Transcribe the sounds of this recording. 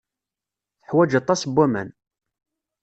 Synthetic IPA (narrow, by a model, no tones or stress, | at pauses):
θəħwæd͡ʒɑt̪ˤːɑsbːæmæ̰n